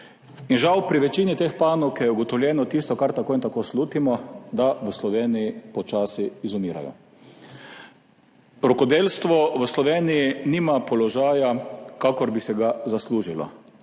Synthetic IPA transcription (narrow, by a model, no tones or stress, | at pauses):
inʒawpɾiʋɛt͡ʃiːnit̪expaːnɔwkɛuɡɔt̪ɔwljɛːnɔt̪ist̪ɔkaɾt̪akoːint̪akoːsluːt̪imɔd̪aʋəslɔʋeːnijipɔt͡ʃaːsiːzɔmiːɾa̰jɔ̰ | ɾɔkɔd̪eːlst̪ʋɔʋəslɔʋeːnijiniːmapɔlɔʒaːjakakɔɾbisɛɡazasluːʒilɔ̰